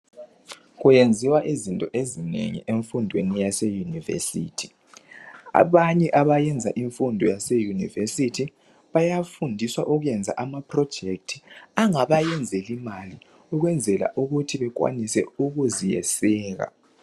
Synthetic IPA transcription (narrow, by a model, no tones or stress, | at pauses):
ɣujend͡zʱiwaʔizintʼɔʔezinḛŋḭʔeɱfundʱwenijasejunivḛsḭːtʰi̥ | a̰βaɲɛʔaβajɛnd͡zʱaʔiɱfundʱɔjasejunḭvesitʰi | βajafundʱiswaʔuɣujɛnd͡zʱa̰ʔamapʰrɔ̥d͡ʒ̥ʱektʰi̥aŋaβajɛnd͡zʱɛlimali | uɣwɛnd͡zʱɛla̰ʔuɣutʰiβɛk̬wa̰nisɛ̰uɣuzijɛ̰sɛːɣa̰